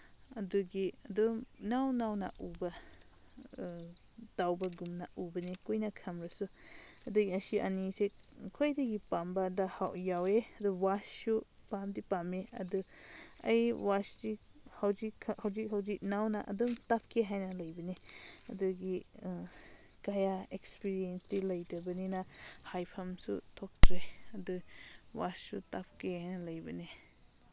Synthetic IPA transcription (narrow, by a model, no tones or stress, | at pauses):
ɐduɡiɐd̪umnawnawna̰ʔuba | dawbaɡumnaʔubɐnekojnakʰɐmɾasu | ɐd̪uɡiasiʔa̰nise | kʰojdaɡipambadahawʔjaweɐd̪uwasu | pamdipameɐdɯ | ɐjwasdi | hawzikʰhawzik̚ɦawzik̚nawnaʔɐ̰dɔmtap̚kʰeɦajnɐlɐjbɐneɐduɡi | kajaekspiɾiensdilɐjdɐbɐninɐhajpʰamsṵtʰɔk̚tɾeɐdu | wasːṵtap̚kʰehajnɐlɐjbɐ̰ne